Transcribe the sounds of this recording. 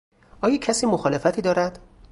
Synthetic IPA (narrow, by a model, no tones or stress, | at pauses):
ʔɒːjɒːcʰæsiːmoxɒːle̞fæt̪ʰiːd̪ɒːɾæd̪̥